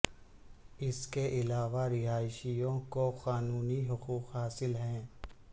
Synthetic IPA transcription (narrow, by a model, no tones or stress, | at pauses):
ɪskeʔɪlaːʋaɾɪɦaːɪʃijõkoxaːnuːniɦʊquːqɦaːsɪlɦɛ̃ː